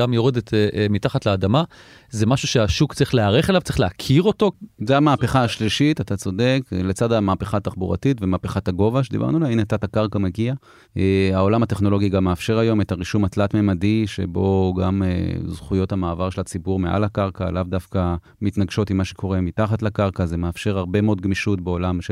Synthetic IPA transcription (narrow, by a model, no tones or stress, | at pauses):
amjoʁed̪etemitaχatlaːd̪ama | zemaʃuʃeaʃukt͡sʁiχleaʁeχelavt͡sʁiχleakʰiʁo̞to̞zeamaːpe̞χaːʃliʃitat̪at͡so̞de̞kle̞t͡sadamaːpeχaːt̪aχbuʁa̰titvemapeχataɡo̞vaʃedḭba̰ʁnulainat̪atakaʁkameɡia | eaolamateχno̞lo̞ɡiɡamːeafʃe̞ʁajo̞metaʁiʃumatlatmemadiʃḛbo̞ɡamḛzχujo̞thamaːvaʁʃelat͡sibuʁmeʔa̰lakaʁka̰lavdafka | mitnaɡʃo̞timːaʃe̞kʰo̞ʁe̞mitaχatlakaʁkazemeafʃe̞ʁaʁbe̞meo̞d̚ɡmiʃutbeo̞lamʃe